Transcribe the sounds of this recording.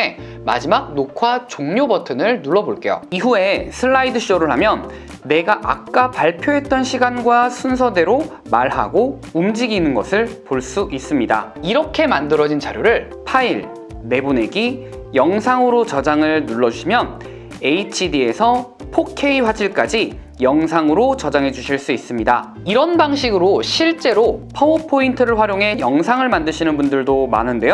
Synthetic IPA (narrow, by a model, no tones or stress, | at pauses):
e | ma̰d͡ʑimak̚nokʰwat͡ɕoŋɲobʌtʰɯnɯɭnuɭːʌboɭk͈e̞jo̰iɦue̞sʰɯɭːaidɯɕʰiʌɾɯɭɦamjʌnː | e̞ɡaʔak̚k͈apaɭpʰjoɦe̞t̚t͈ʌnɕʰiɡanɡwasʰuns̬ʰʌde̞ɾo | maɭɦa̰ɡo | umd͡ʑiɡinɯnɡʌ̰sʰɯɭpoɭs͈uʔis͈ɯmɲida̰iɾʌkʰe̞mandɯɾʌd͡ʑint͡ɕaɾjoɾɯɭ | pʰaiɭ | me̞bune̞ɡi | jʌŋsʰaŋɯɾot͡ɕʌd͡ʑaŋɯɭnuɭːʌd͡ʑuɕʰimjʌn | e̞it͡ɕʰidie̞sʰʌ | pʰokʰe̞iɸwad͡ʑʰiɭk͈ad͡ʑi | jʌŋsʰaŋɯɾot͡ɕʌd͡ʑaŋɦe̞d͡ʑuɕʰiɭs͈uis͈ɯmɲida | iɾʌnbaŋɕʰiɡɯɾoɕʰiɭt͡ɕ͈e̞ɾopʰʌopʰointʰɯɾɯɭɸwaɾjoŋɦe̞jʌŋsʰaŋɯɭmandɯɕʰinɯnbundɯɭdoma̰nɯnde̞jo